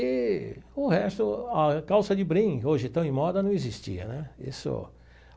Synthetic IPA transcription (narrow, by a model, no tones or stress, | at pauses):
ɪʊhɛst̪ʊɐkawsɐd͡ʒɪbɾĩɡɪoʒɪ̃t̪ɐ̃w̃ẽmɔd̪ɐnɐ̃w̃ezist͡ʃḭɐ̰nɛḭsʊ̰